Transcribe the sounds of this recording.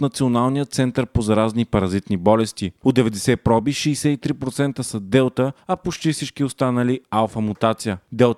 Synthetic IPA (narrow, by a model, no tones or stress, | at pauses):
t̪nɐt̪sionalˠnijət̪sɛnt̪əɾpozɐɾaznipɐɾɐzit̪nibɔlɛst̪iod̪ɛvɛd̪ɛsɛpɾɔbiʃiːsɛit̪ɾipɾot̪sɛnt̪əsəd̪ɛlˠt̪əɐpot͡ʃt̪ifsit͡ʃkiost̪anɐlialˠfɐmut̪at̪sijəd̪ɛlˠt̪